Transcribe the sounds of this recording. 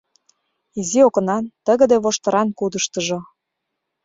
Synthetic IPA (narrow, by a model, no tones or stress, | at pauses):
iziokə̆nɑnt̪əɣə̆d̪eβoʃt̪ɤ̆ɾɑnkud̪əʃt̪əʒo